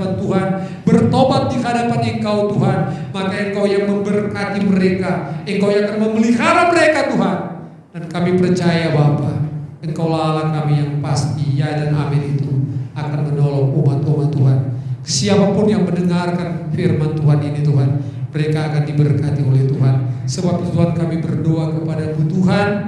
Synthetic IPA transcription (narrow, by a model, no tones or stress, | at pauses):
pant̪uɦan | bərt̪obat̪̚dikəɦadapanəŋkawt̪uɦanmakaəŋkawjaŋməmbərkat̪iməɾekaəŋkawjãakanməməliɦaɾaməɾekat̪uɦan | dankamipərt͡ʃajababaəŋkawlalahkamijaŋpast̪ijadana̰mɪlit̪uakanmənɔlɔŋumat̪umat̪ːuɦansiapapʊnjaŋməndəŋarkanfirmant̪uɦaninit̪uɦan | məɾekaːkandibərkat̪iolɛht̪uɦansəbap̚t̪ut̪uɦankamibərdoakəpadamut̪uɦan